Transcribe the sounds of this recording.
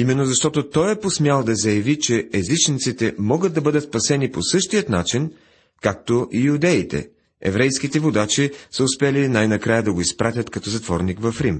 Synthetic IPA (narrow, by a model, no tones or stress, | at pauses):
imɛnːozɐʃt̪ɔt̪ot̪ɔjɛposmʲjalˠd̪ɐzɐjɐvit͡ʃɛɛzit͡ʃnit̪sit̪ɛmɔɡəd̪̚d̪ɐbɤd̪ət̪spɐsɛniposɤʃt̪ijət̪nat͡ʃin | kak̚t̪oʔijud̪ɛit̪ɛ̰ | ɛ̰vɾɛjskit̪ɛvod̪at͡ʃisəʊspɛlinajnɐkɾajəd̪ɐɡoispɾat̪ʲət̪kɐt̪ɔzɐt̪vɔɾnikvɐfɾim